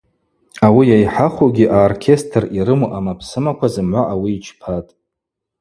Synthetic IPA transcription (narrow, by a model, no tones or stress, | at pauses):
awijajħaχʷoɡʲiʔaorkʲʰe̞stʰriɾɨmoʔamapʰsɨmakʷʰazɨmʕʷaʔawiːt͡ʃʰpʰatʼ